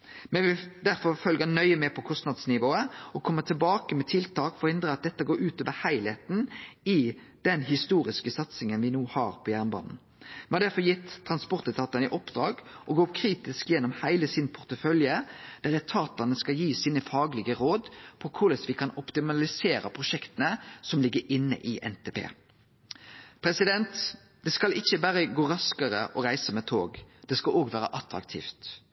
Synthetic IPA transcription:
mɛʋɪd̪æɾfɔɾfœlɡənœʏəmɛpʰɔkʰɔst̪nɑd̪snɪʋoːəɔkʰɔmːət̪ʰɪlbɑːkəmɛt̪ʰɪlt̪ʰɑːkfɔɾhɪnd̪ɾəɑt̪̚d̪ɛt̪ːəɡoːɾʉːt̪oːʋəhæɪlet̪n̩ɪ | d̪̥ɛnɦɪst̪uːɾɪskəsɑt̪sɪŋənʋɪnuːhɑːʁpʰɔjæʁnbɑ̰ːnn̩ | mɛhɑɾd̪æɾfɔɾjɪt̪ʰːʁɑnspɔʁt̪ət̪ʰɑːt̪ɑnəʔɔpd̪ɾɑːɡ | ʔɔɡoːkʰɾiːt̪ɪskjɛnːɔmhæɪləsɪnpʰʊʁt̪əfœljəd̪̥æɾɛt̪ʰɑːt̪ɑnəskɑjiːsiːnəfɑːɡlɪɡəɾoːd̪pʰɔkʰʊɾləsʋɪkʰɑnɔpt̪ɪmɑlɪseːɾə̰pʰʁʊʃɛkt̪ənəsɔmlɪɡːəɾʔɪnːə̰ʔiʔɛ̰nt̪ʰeːpʰḛː | pʰɾɛsɪd̪ɛnt̪ | d̪̥ɛskɑlɪçəbæːʁəɡoːɾɑskəʁə̰ʔɔʁæɪsəmɛt̪ʰoːɡd̪̥ɛskɑloːɡʋæːɾə̰ʔɑt̪ɾɑ̰kt̪ʰḭːft̪

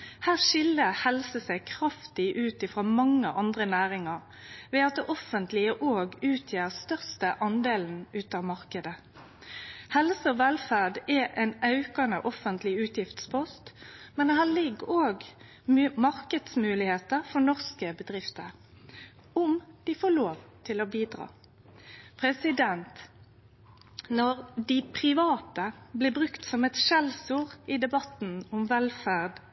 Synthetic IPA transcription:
hæːʁʃɪlːəhɛlsəsæɪkʰʁɑft̪ɪʔʉːt̪ɪfʁɑːmɑŋːəʔɑnd̪ʁənæːɾɪŋɑʁ | ʋɛːɑt̪̚d̪ɛʔɔfənt̪lɪəʔoːɡʉːt̪ʰjeːʁst̪œʁst̪əʔɑnd̪eːln̩ʉːt̪ɑːʋmɑʁkəd̪ə | hɛlsəɔʋɛlfæʁɖɛʔɛnɑʉkɑnəʔɔfənt̪lɪʉːt̪jɪft̪spʰɔst̪mɛnɛhæːɭɪɡːoːɡ | mːmɑʁkəd̪smʉːlɪheːt̪əʁfɔnɔʁskəbəd̪ɾɪft̪əɾ | ʊmd̪̥ɪfoːloːʋt̪ʰɪloːbiːd̪ʁɑ̰ː | pʰʁɛsɪd̪ɛnt̪ | nɔʁd̪ɪpʰɾɪʋɑːt̪əblɪbʁʉkt̪sɔmɛt̪ʃɛlsuːʁid̪ɛbɑt̪nʊmʋɛlfæʁd̪

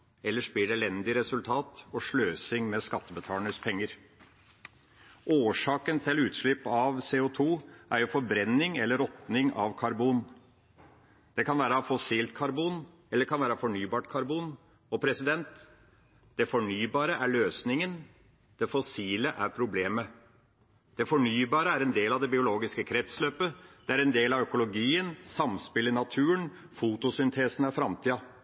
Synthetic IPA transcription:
ɛlːəʂbiːɖɛlɛnd̪ɪɾɛsʉlt̪ʰɑːt̪ɔʂɭøːsɪŋmɛskɑt̪ːəbət̪ʰɑːləɳəspʰɛŋːəɾ | ʔoːʂɑːkənt̪ʰɪlʉːt̪ʂɭɪpːɑʋseːʊt̪ʰuːʔæɾjʊfɔɾbɾɛnːɪŋɛlːəɾɔt̪nɪŋɑ̰ʋkʰɑɾbuːn | d̪̥ɛkʰɑnʋæːɾəfɔsiːlt̪̚kʰɑɾbuːn | ɛlːəɾkʰɑnʋæːɾəfɔɳyːbɑːʈkʰɑɾbuːn | ɔpʰɾɛsɪd̪ɛnt̪ | d̪̥ɛfɔɳyːbɑːɾəʔæɭøːsnɪŋən | d̪̥ɛfɔsiːləʔæ̰ɾpʰɾʊbleːmə | d̪̥ɛfɔɳyːbɑːɾəæɾɛnd̪eːlɑʋd̪ɛbɪʊloːɡɪskəkʰɾɛt̪sløːpəd̪̥ɛæɾɛnd̪eːlɑʋœkʊlʊɡiːənsɑmspɪlɪnɑt̪ʰʉːən | fuːt̪ʊsʏnt̪ʰeːsənæɾfɾɑmt̪ʰiːɑ

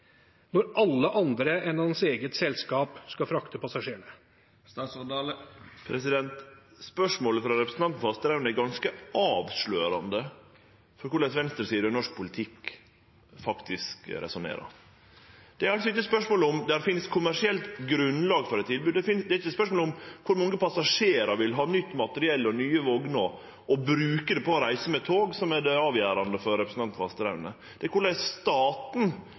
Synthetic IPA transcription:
nɔɾʔɑlːəʔɑnd̪ɾəɛnɑd̪ɑnseːɡət̪sɛlskɑːpskɑfɾɑkt̪əpɑsɑʂeːɳə | ɑs | pʰɾɛsɪd̪ɛnt̪spœʂmoːləfɾɑɾɛpɾsnʰɑnt̪n̩fɑst̪æɾæɾmɛɪɡɑnskəɑːʋsløːɾɑnd̪ə | fɔɾkʊɖɛsʋɛnst̪ɾəsiːd̪əɔnɔʂk̚pʰʊlɪt̪ʰɪk | fɑkt̪ʰɪskɾɛ̰sʊnḛːɾɑ̰ | d̪̥ɛæɾɑlsɔɪtːəspœʂmoːlʊmd̪æfɪnskʰʊmæʂɪɛlt̪ɡɾʉnlɑːɡfɔɾɛt̪t̪ʰːɪlbʉːd̪ɛɪnd̪ɛɾɪçəspœʂmoːlʊmkʰʊɾmɔŋːəpʰɑsɑʂeːɾɑɾʋɪlɦɑːnʏt̪ːmɑt̪əɾɪɛlːɔnyːəʋɔɡnɔ | ɔbɾʉːkəd̪ɛpʰɔɔɾæɪsəmɛt̪ʰoːɡsɔmæd̪ɛɑːʋjæːɾɑnd̪əfɔɾɾɛpɾəsn̩t̪ɑnt̪ʋɑst̪əɾæʉnə̰ | d̪ɛækʰʊɭæɪsst̪ɑːt̪n̩

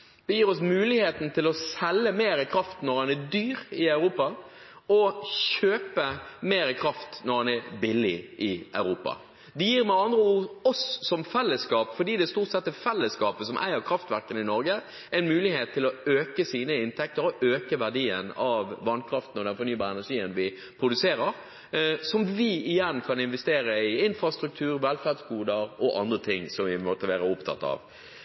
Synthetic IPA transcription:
d̪ɛjiːɾɔsmʉːlɪheːt̪n̩t̪ʰɪlɔsɛlːəmeːɾɪkʰɾɑft̪nɔʁhɑnæd̪yːɾɪɑʉɾuːpɑ | ɔɕøːpəmeːɾɪkʰɾɑft̪nɔɾhɑnæɾbɪlɪ̰ʔɪʔœ̰ʉɾuːpɑ̰ | d̪ɛjiːɾmæɑnd̪ɾəuːɔsːɔmfɛlːəskɑːpfɔɖ̪iːd̪ɛst̪uːt̪sɛt̪ːɛfɛlːəskɑːpəsɔmʔæ̰ɪəɾkʰɾɑft̪ʋæʁkənɪnɔɾɡə | ʔɛɪnmʉːlɪheːt̪ʰːɪlɔøːkəsiːnəɪnt̪ʰɛk̚t̪əɾɔʔøːkəʋæʁɖiːənɑʋːɑnkʰɾɑft̪n̩ɔd̪ɛnfɔɾnyːbɑːɾəɛnæʂiːənʋɪ | pʰɾʊd̪ʉseːɾəʁ | sɔmʋɪɪjɛnkʰɑnɪnʋɛst̪eːɾəɪɪnfɾɑst̪ɾʉk̚t̪ʰʉːɾʋɛlfæd̪skuːd̪əɾɔʔɑ̰nd̪ʁət̪ʰɪŋːsɔmʋɪmɔt̪ːəʋæːʁəʊpt̪ʰɑ̰t̪ːɑ̰ʋ

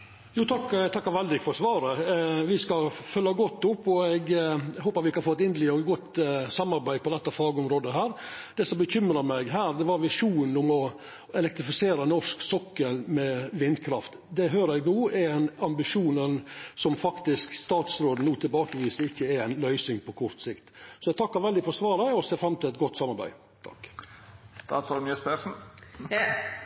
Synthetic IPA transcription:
juːt̪ʰɑkːt̪ʰɑkːɑʋɛld̪ɪfɔɾsʋɑːɾəʋɪskɑfœlːɑɡɔt̪ːʊpːɔɛɡhoːpɑt̪ʋɪkɑɾfoːt̪ɪnd̪əlɪɔɡɔt̪sɑmɑɾbæɪd̪̚pʰɔd̪ɛt̪ːɑfɑːɡɔmɾoːd̪əɦæːɾd̪̥ɛsɔmbəçʏmɾəɾmɛɡɦæːɾd̪ɛʋɑɾʋɪʂuːnn̩ʊmɔ | ɛlɛkt̪ɾɪfɪseːɾənɔʂksɔkːəɾmɛʋɪnd̪kʰɾɑft̪ | d̪ɛɦøːɾəæɡnuːɛæɪnɑmbɪʂuːnənsɔmfɑkt̪ɪskst̪ɑːt̪sɾoːd̪n̩nuːt̪ʰɪlbɑːkəʋiːsəɾɪçːəæɾæɪnlœʏsɪŋpʰɔkʰɔɾt̪sɪkt̪sɔɛɡ̚t̪ʰɑkːɑɾʋɛld̪ɪfɔɾsʋɑːɾəɔseːfɾɑmt̪ʰɪlɛt̪̚ɡɔt̪ːsɑmːɑɾbæ̰ɪ | t̪ʰɑ̰kː | st̪ɑ̰t̪sɔːmyːəspɛsn̩

